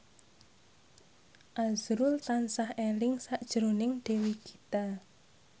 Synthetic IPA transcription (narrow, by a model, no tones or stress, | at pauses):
ʔazɾʊlt̪ansahelɪŋsaʔd̥ʒ̥əɾonɪŋɖ̪̥e̤wikʰi̥t̪a